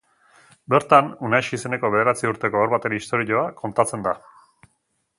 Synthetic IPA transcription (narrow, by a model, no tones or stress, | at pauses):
be̞ɾt̪anunajʃise̞ne̞ko̞β̞e̞ð̞e̞ɾat͡siuɾt̪e̞ko̞aɾβat̪e̞ɾiist̪o̞ɾiʎo̞ako̞nt̪at͡se̞nd̪a